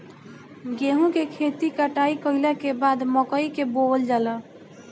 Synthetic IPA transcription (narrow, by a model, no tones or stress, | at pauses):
ɡeɦũkekʰet̪ikəʈaikəjləkebad̪məkəikebold͡ʒalə